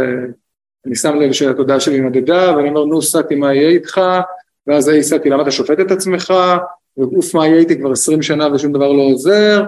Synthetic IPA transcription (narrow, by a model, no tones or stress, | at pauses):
e | anisamle̞vʃelato̞d̪aaʃelimod̪ed̪aveanio̞me̞ʁnusat̪imajet̪χa | veazajisat̪ilamat̪aʃo̞fet̪et̪at͡sme̞χa | veɡufmajejt̪ikvaʁesʁimʃanaveʃumd̪avaʁlo̞ːze̞ʁ